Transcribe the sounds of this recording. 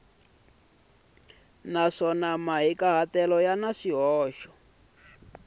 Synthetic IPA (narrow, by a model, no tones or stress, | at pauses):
naʂɔnamaɦikaɦatɛlɔjanaʂiɦɔːʃɔ̥